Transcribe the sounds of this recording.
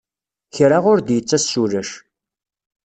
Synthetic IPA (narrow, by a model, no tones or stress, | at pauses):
çɾaʁʊɾd̪jət͡sːæsuɾəʃ